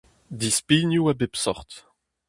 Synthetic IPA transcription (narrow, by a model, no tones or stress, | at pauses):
d̪ispinjuabepsɔχt̪